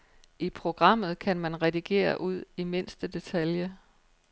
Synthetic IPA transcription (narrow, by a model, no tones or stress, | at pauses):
ʔipʰʁo̝ɡ̥ʁɑ̈m̰ð̞̩ˠkʰænmænʁɛd̥iɡ̥e̝̰ːɐʔuð̞̰ˠime̝n̰sd̥əd̥e̝t͡sʰæljə